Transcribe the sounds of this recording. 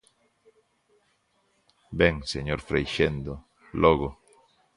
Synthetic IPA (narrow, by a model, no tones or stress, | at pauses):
bẽŋseɲoɾfɾejʃend̪o | loɣo